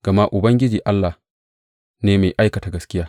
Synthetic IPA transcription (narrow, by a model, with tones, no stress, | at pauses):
ɡ̥ɐ˨ma˦ʔʊ˨bɐ˦ŋɡʲɪ˦d͡ʒiː˨ʔa˦lːa˨h | neː˦meː˨ʔa˦jkɐ˨ta˨ɡɐ˨skʲɪ˦jaː˦